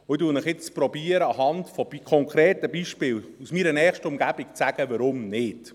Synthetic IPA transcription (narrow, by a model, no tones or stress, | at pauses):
ʊɪduːnɪχjɪt͡spɾɔbiəɾəɑɦɑndfɔbikʰɔŋkɾeːtəbiʃpɪːlusmiɾənɛːχʃtəʊmɡæb̥ikt͡sæɡ̥əʋɑɾʊmnɪd̥